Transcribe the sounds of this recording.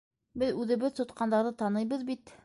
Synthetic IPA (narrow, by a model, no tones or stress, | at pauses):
bɘðʉðɘ̆βɘðt̪ŏt̪̚qɑnd̪ɑɾðɤt̪ɑnɤjbɤðbit̪